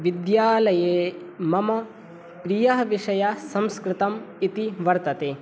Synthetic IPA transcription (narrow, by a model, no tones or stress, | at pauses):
ʋid̪jaːlɐjeː | mɐmɐ | pɾijɐɦɐʋiʂɐjasɐmskɾɪt̪ɐmit̪iʋɐɾt̪ɐt̪eː